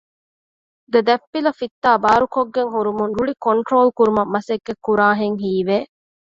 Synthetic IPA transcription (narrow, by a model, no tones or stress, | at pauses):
d̪ed̪ɐpːilɐfit̪ːaːbaːɾukoɡːeŋɦuɾumunɾuɭikoɳʈɾoːlkuɾumɐmːɐseɡːekːuɾaːɦeŋɦiːʋeː